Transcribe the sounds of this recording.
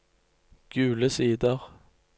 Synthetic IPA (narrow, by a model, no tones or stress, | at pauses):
ɡ̥ʉːləsiːd̪əʁ